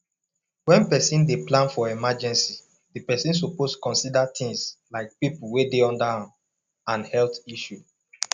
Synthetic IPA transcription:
wɛ̃npɛsĩndeplãnfɔɛmad͡ʒɛ̃nsi | dipɛsĩns̬opostkɔ̃nsidatʰĩŋslaɪk̚pipulwedeɔ̃ndahã | ãnhɛltiʃu

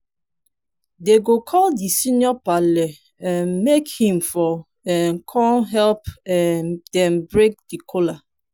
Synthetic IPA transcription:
deɡokʰɔldisinjɔpale | ɛmekhĩmfɔ | ɛnkʰɔ̃nɦɛlp | dɛ̃mbɹek̚dikʰola

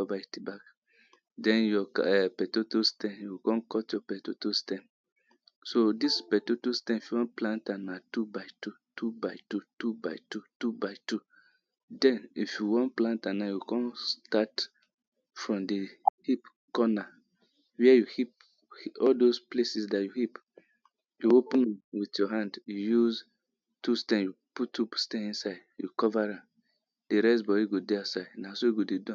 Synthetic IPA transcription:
ɔbajtibak | dɛ̃njɔkɛpɛtotostɛ̃njukɔ̃nkɔtjɔpɛtotustɛ̃n | sodispɛtutustɛ̃nifjuwɔ̃nplãntãnatubaɪtutʰubaɪtutubaɪtutubaɪtu | dɛ̃nifjuwɔ̃nplãntãnajukɔ̃nstat | fɹɔ̃mdihip | kɔna | wɛɛjuhip̚ | hiɔldosplesisdajuhip | juopə̃nwiθjɔɦãndjujuz | tustɛ̃njuputːupstɛ̃nĩnsaɪdjukɔvaɹãm | d̥eɾɛsbɔdiɡodɛasaɪdnasoɡodedɔ̃

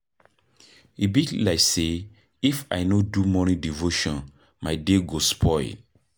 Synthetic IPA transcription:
ibiklaɪse | ifa̰jnodumɔnĩdivoʃɔ̃n | maɪdeɡospʰɔɪd

